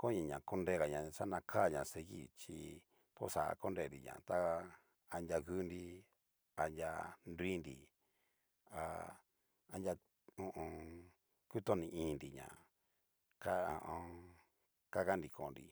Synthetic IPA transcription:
kõ˦ɲã˧˨ɲã˨ko˦nde˦˧ɣa˨ɲã˨sa˦nã˧kʰa˦˨ɲã˨se˧ɣḭ˦˨t͡ʃi˧ | po̰˦sa̰˨a̰˧ko˦nɾe˧˨ndḭ˨ɲã̰˨t̪a˦˧ | a˧nja˧ɣu˦ndi˧ | a˧nja˧ndi˦ndi˧ | a˧ | a˧na˧ | ũ˧ʔõ˧ | ku˦t̪o˦nĩ˧ĩ˦˧ndi˨ɲã̰˨ | ka˦a˨˧ʔõ˧ | ka˦ɣa˦ndi˧kʰõ˨nɾḭ˧

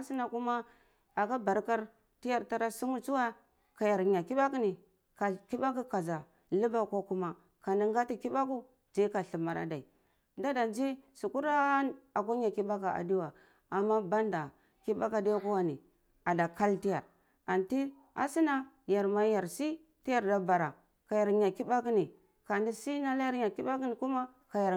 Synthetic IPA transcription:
a˦si˦na˨ku˦ma˦ | a˨ka˦ba˨ɾka˦ɾ | ti˦ja˨ɾta˦ɾa˦si˦mu˦t͡su˦wa˦ | ka˨ja˨ɾɲa˨ki˦ɓa˦ki˦ni˨ | ka˨ki˦ba˦k̬u˦ka˨za˨ | lu˦ba˦kʷa˦ku˦ma˨ | ka˨ni˨ŋ˦ɡa˦ti˦ki˦ba˦ku˦ | d͡ʒa˦ka˨ɬi˨ma˨ɾa̰˨da˨i˨ | da˦da˨nd͡ʒi˦su˨ku˦ɾa˦a˨k̬ʷa˦ɲa˨ki˦ba˦k̬a˨a̰˨di˦wa˨ | a˨mːa˦ba˦nda˨ | ki˦ba̰˦ka˨di˦ja˦ku˦wa˦ni˨ | a˨da˨ka˦lti˦ja˨ɾ | a˨nti˦ | a̰˨si˦na˦ | ja˨ɾma˦ja˨ɾsi˦ | ti˦ja˦˨ɾda˨˦ba˨ɾa˨ | ka˨ja˨ɾɲa˨ki˦ba˦ki˦ni˨ | ka˨ndi˦si˦na˦la˦ja˦ɾɲa˨ki˦ba˦ki˦ni˨ku˦ma˦ | ka˨ja˨

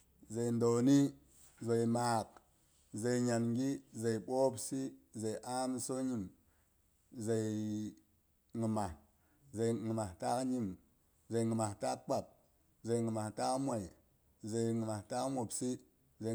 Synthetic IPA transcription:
ze˨i˨ndo˨ni˦ | ze˨i˨ma˨k̚ | ze˨i˨ɲa˨nɡi˦ze˨i˨ɓo˦psi˦ze˨i˨ʔa˦m˦so˦ɲi˨m | ze˨j | ŋi˨ma˨ | ze˨iŋi˨ma˨ta˦kɲi˦m | ze˨ŋi˨ma˨ta˦kk͡pa˨t̚ | ze˨ŋi˨ma˨ta˦kmʷa˨i˨ | ze˨jŋi˨ma˨ta˦kmo˨psi˦ | ze˨

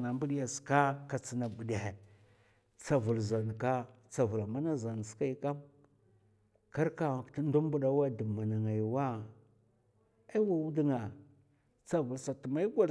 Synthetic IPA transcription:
na˨mbu˦ɗi˦ja˨ska˦ka˨t͡si˨na˨bu˨de˨he˨ | t͡sa˨vu˨lza˨n˨ka˦ | t͡sa˨vu˨la˨ma˦na˦za˨n˨ska˦i˦ka˦m | ka˦ɾka˦˨ti˦n˦du˦m˦bu˦ɗa˦wa˦du˨mːa˨na˨ŋa˨jwa˦ | a˦i˦wa˦wu˦di˦ŋa˨ | t͡sa˨vu˨lsa˨tu˨ma˦i˦ɡʷa˦

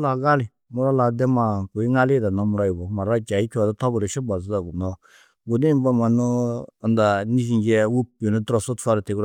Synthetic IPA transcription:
la˨ɡa˦li˨ | mu˨˦ɾa˦la˨dɛ˦ma˨ku˨i˦ŋa˦li˦˨da˨nɔ˦mu˨ɾa˦ji˨bɔ˨˦ma˨ɾa˦˨t͡ʃa˨i˦kʲi˦a˨dɔ˦tɔ˦bu˨ɾi˨ʃu˦ba˨za˨ɡu˨nɔ˦ | ɡu˨ni˦m˦ba˦ma˨nɔː˦˨nda˨ni˦s̬i˨nd͡ʒɛ˦wu˦pi˨nɔ˦dɾɔ˨su˦tfa˦ɾti˨ɡu˦ɾ

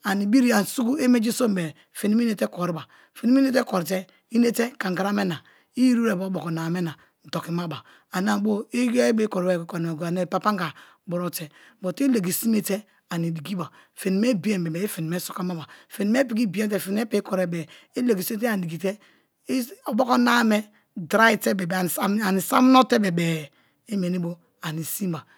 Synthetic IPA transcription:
a˨ni˨bi˦ɾi˦a˨n˨su˦ɡu˦e˦me˦d͡ʒi˦so˦mbe˨ | fe˨ni˨mi˦ne˦te˦ko˨ɾi˦ba˨ | fe˨ni˦m˦ne˦te˦ko˨ɾt̬e˦ | i˦ne˦te˦ka˨ŋ˨ɡa˨˦a˦me˦na˨ | i˦ji˦ɾu˦ɾe˨bo˨˦bo˨ko˨na˨me˦na˨ | n̩˨to˨ki˨ma˦ba˨ | a˨na˦˨bo˦i˦be˦ko˨ɾe˦˨ko˨n˨ɡa˨ne˨pa˦pa˦ŋ˦ɡa˨ | bo˨ɾo˦te˨ | bo˨te˦le˨ɡi˨si˦me˦te˦ | a˨ni˨di˨ɡi˦ba˨ | fe˨ni˨me˦bi˦e˨m˨e˨be˨e˦fe˨ni˨me˦so̥˨ka˦ma˦ba˨fe˨ni˨me˦pi˨˦ki˦bi˦e˦te˦˨fe˨n˦e˦pe˦kɔ˨ɾe˨bɛ˨e˦le˨ɡi˨si˦e˦te˦a˨di˨ɡi˨te˦ | o˨bo˦ko˦na˦me˦ | dɾa˦i˦te˦be˨ba˨a˨ni˨sa˦m˦no˦te˦be˨bɛ˨ | e˦me˨ni˦bo˦ | a˨ni˨si˦ba˨

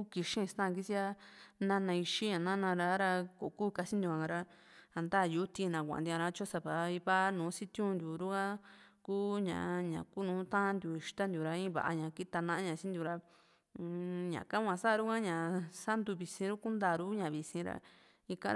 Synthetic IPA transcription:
u˦ki˧ʃĩ˦˧st̪ã˦˧ki˦t͡ʃi˦a˦nã˦nã˧i˧ʃi˦ɲã˨nã˦nã˧ɾa˧˦ɾa˧ko˨˧kuː˦˧ka˧t͡ʃi˦nd̪u˧a˧a˧ɾa˧ | a˧nd̪aː˦˨ju˨˦t̪i˧nã˨kʷã̰˨d̪a˧ɾa˧˦t͡ʃo˦sa˧βa˨˧˦i˧βa˦nũː˨˦si˦t̪jũ˦˧nd̪ju˨ɾu˦ka˦kuː˦ɲã̰˨ɲã̰˨ku˦nũː˨˦t̪ã˦nd̪ʲju˨i˧ʃt̪a˦nd̪ju˨ɾa˧ĩ˦βa̰˨ʔa̰˧ɲã˨ki˦t̪a˧nã˧ʔa˦ɲã˨t͡ʃĩ˦nd̪ju˧ɾa˧ | ɲã̰˨kã˦kʷã˧sa˦˧ɾu˦kã˦ɲã˨sa˦nd̪u˧βi˨sĩ˧ɾu˦ku˦nd̪a˧˨˧ɾu˦ɲã˨βi˨sĩ˧ɾa̰˧˦ | i˧kã̰˧˦˧

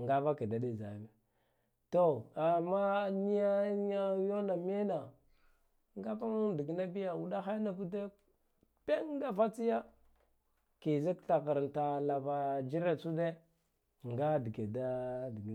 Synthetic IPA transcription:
ŋɡa˦va˦ki˨da˨ɗe˦za̰˨ve˨ | to˦˨a˨ma˦ni˦ja˦ja˦jo˦na˨me˦na˨ | ŋɡa˦pa˦mu˦ndi˨ɡi˨na˦bi˦ja˨wu˦da˦xa˦na˨bu˦de˦ | pe˦ŋ˦ɡa˦fa˦t͡si˦ja˦ | ki˨za˦kta˨ka˨ɾnta˨la˨va˨d͡ʒi˦ɾe˦t͡su˦de˦ | ŋɡa˦di˨ɡe˨da˦di˨ɡ

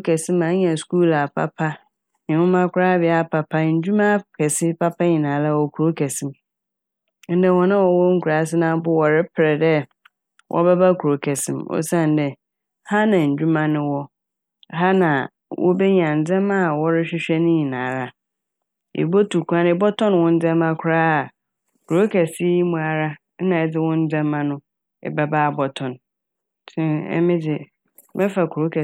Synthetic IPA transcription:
kʰɛ˨sɪ̃˦mã˨˦ɲɛ̃˨skuː˦la˨pʰa̰˦pʰa˦ | ɲɪ̃˨hʊ̃˦mã˦kʰʷʊ˦ɾa˦bɪ˨˦a˦pʰa˨pʰa˦ɲ̩˨d͡ʑᶣu˦mã˦kʰɛ˨sɪ˦pʰa˦pʰa˦ɲĩ˨nãː˨˦la˦˨wɔ˨kʰu˨ɾo˦kʰɛ˨sɪ̃˦m | n̩˦dɛ̃˦˨wɔ̃˨nã˦wɔ˨wɔ˦ŋ̩˦kʰu˨ɾa˨˦s̬ɪ˦nã˦bʊ˦wɔ˨ɾɪ˦pʰɪ˨ɾɛ˨dɛ˦ | wʔɔ̰˦bɛ˦ba˦kʰu˨ɾo˨kʰɛ˨sɪ̰̃˦mɔ̰˦˨sã˦˨n˦dɛ˦ | ha˦nã˨ɲ̩˨d͡ʑᶣu˦mã˦nɪ̃˦wɔ˦ | ɦa˦nã˨ | wʔɔ̰˦be˦ɲ˨ã˨n̩˨d͡zɛ̃˦ma˦˨wɔ˦ɾɪ˦ɕᶣɪ˦ɕᶣɛ˦nĩ˦i˨nãː˨ɾa˨ | ḛ˨bo˦tu˨kʰã˦n˦ɪ˨bɔ˦tʰɔ̃˦n˨wɔ̃˦n̩˦d͡zɛ˦mã˦kʰʊ˦ɾaː˦a˨ | kʰu˨ɾo˦kʰɛ˨si˦ji˦mũ˨a˨ɾa˦ | nã˨ɛ˨d͡zɪ˦wʊ̃˦n̩˦d͡zɛ̃˦mːã˦nʊ̃˦ | ɪ̰˨ba˦baː˦˨bɔ˨tʰɔ̃˨n | tʰɪ̃˦ɛ̰˦mɪ̃˦dɪ˨ | mɛ˦fa˨kʰɾo˦kʰɛ˨

